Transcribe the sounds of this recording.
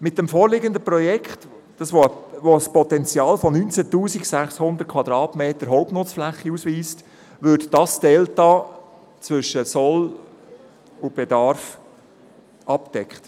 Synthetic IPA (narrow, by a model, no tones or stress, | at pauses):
mɪt̚dɛmfɔːɾlɪɡəndəprɔjɛkχt | d̥ɑsʋoəvospɔt̪ɛnt͡sjɑːlfɔnynt͡sətuːsiksæχshʊnd̪əɾt̚kʰvɑd̪ɾɑːtmeːtəɾɦɔʊp̚nʊt͡sflæχːiusʋiːst | ʋʏdd̥ɑsd̥ɛltɑ | t͡svʏʃəsɔl | ʊb̥ɛdɑɾf | ʔɑpd̥ɛkχt